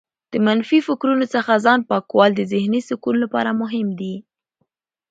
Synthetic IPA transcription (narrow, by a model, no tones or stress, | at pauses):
d̪̥əmanfifɪkɾunot͡səxazɑnpɑkwɑld̪əzɪhnisɪkulːapɑ̰ɾamʊɦɪmd̪i